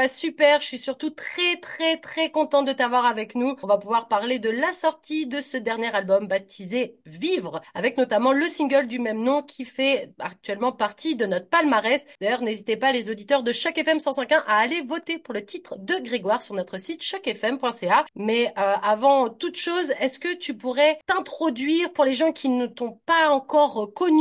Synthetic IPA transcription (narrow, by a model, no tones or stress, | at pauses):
asypɛʁʃɥisyʁt̪ut̪χɛt̪χɛt̪χɛkɔ̃t̪ɑ̃d̪ət̪avwaʁavɛknuɔ̃vapuvwaʁpaʁled̪əlasɔʁt̪ʰid̪əsəd̪ɛʁnjɛʁalbɔmbat̪ʰizevivʁavɛknɔt̪amɑ̃ləsĩɡʲœld̪ymɛmnɔ̃kʲʰifɛak̚t̪ɥɛlmɑ̃paʁt̪ʰid̪ənɔt̪χəpalmaʁɛsd̪ajœʁnezit̪epalezod̪it̪œʁd̪əʃakɛfɛmsɑ̃sɛ̃kɛ̃ʔaːlevɔt̪epuʁlət̪it̪χd̪əɡʁeɡwaʁsyʁnɔt̪χəsit̪ʃakɛfɛmpwɛ̃seamɛøavɑ̃t̪ut̪ʃozɛskət̪ypuʁɛt̪ɛ̃t̪χɔd̪ɥiʁpuʁleʒɑ̃kʲʰinət̪ɔ̃paɑ̃kɔʁkɔn